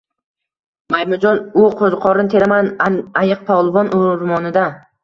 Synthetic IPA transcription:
majmʊd͡ʒɒnʊqʰozqʰɒɾɪnt̪ʰeɾamanajɨq̚pʰɒlˠbɒnʔʊɾmɒnɪd̪a

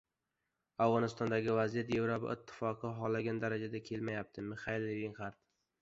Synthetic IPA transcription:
avʁɒnɪst̪ɒnd̪aɡʲɪvazijat̪je̞vɾopa̰ɪ̰t̪ʰːɪ̥fɒqʰɨɦɒlːaɡʲand̪aɾad͡ʒad̪akʲʰe̞lmajap̚t̪ʰɪmɪχaɪlːivinχaɾt̪

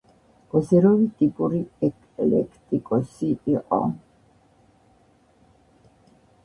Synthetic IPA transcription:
ɔzɛɾɔvit̪ʼipʼuɾiɛkʼ | lɛ̰kʰt̪ʼikʼɔsiiqʼɔ̰

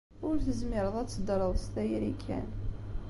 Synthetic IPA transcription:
ʊɾθəzmɪɾˤəðˤæt͡sːəd̪ɾˤəðˤst̪æjɾikʰːæ̰n

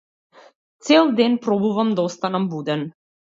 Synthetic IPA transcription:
t̪sɛlˠd̪ɛnpɾɔbuvamd̪aɔst̪anambud̪ɛn

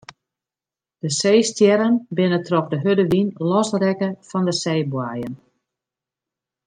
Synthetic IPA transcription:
d̥əseːstjɛɾənbɪnətrɔkdəɦødəʋinlɔsrɛkəfɔndəsejbwaːjən

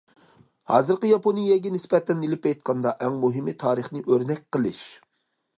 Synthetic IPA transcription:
hɑ̰ːzɨɾqəjɑponijɛɡʲɛnɪspɛt̪ʰɛnelɪpɛjt̪̚qʰɑnd̪ɑʔɛŋmuɦɪmɪt̪ʰɑːɾɨχnɨʔøɾnɛk̚ʲqəlˠɨʃ

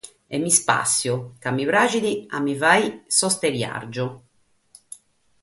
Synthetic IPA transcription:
ɛmːispa̰sːjʊkamːiβɾaːd͡ʒid̪ia̰mːivajsɔst̪eɾja̰ɾd͡ʒʊ

